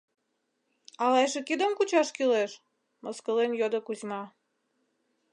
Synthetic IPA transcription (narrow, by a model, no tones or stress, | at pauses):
ɑleʃĕkid̪əmkut͡ɕɑʃkileʃ | məskəlenjod̪ə̆kuzʲmɑ